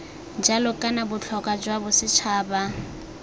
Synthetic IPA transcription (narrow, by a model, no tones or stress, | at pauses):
d͡ʒalɔkʼanabʊt͡ɬʰɔkʼad͡ʒwabʊsɪt͡ʃʰaːba